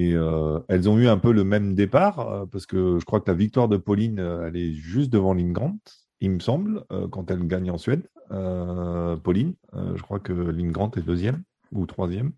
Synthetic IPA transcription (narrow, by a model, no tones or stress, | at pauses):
eøɛlzɔ̃yɛ̃pøləmɛmd̪epaʁø̰paʁsə̥kəʒəkχwakəlavik̚t̪waʁd̪əpɔlinøɛlɛʒyst̪̚d̪əvɑ̃linɡʁɑ̃t̪ | ilməsɑ̃blø̰kɑ̃t̪ɛlɡaɲɑ̃sɥɛd̪ø | pɔlinø̰ʒəkχwakəlinɡʁɑ̃t̪ɛd̪øzjɛm | ut̪χwazjɛm